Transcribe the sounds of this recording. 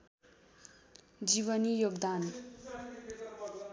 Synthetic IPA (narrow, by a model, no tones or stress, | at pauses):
d͡ziβʌnijoɡd̪an